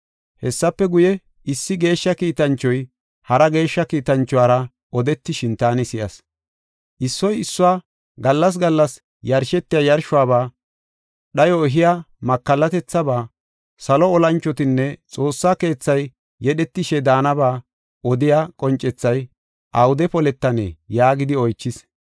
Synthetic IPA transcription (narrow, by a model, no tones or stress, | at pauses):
hɛsːɐpːɛɡʊjɛ | ʔɪsːɪɡe̞ːʃːɐkiːt̪ɐnt͡ʃːɔj | hɐɾɐɡe̞ːʃːɐkiːt̪ɐnt͡ʃːʊwaːɾɐ | ɔd̪ɛt̪ːɪʃɪnt̪aːnɪsɪjɐ̰s | ʔɪsːɔjɪsːʊwaː | ɡɐlːɐs̬ɡɐlːɐs | jɐɾʃɛt̪ːɪjajɐɾʃʊaːβaː | ɗɐjɔɛɦɪja | mɐkːɐlːɐt̪ɛt͡sːɐbaː | sɐlɔɔlɐnt͡ʃːɔt̪ɪnːɛt͡sʼo̞ːsːaːke̞ːt͡sːɐjː | ɛɗɛt̪ːɪʃɛd̪aːnɐbaː | ʔɔd̪ɪjakʼɔnt͡ʃʼɛt͡sːɐj | ʔɐwʊd̪ɛpɔlɛt̪ːɐnḛjaːɡɪd̪ɪɔjt͡ʃːɪs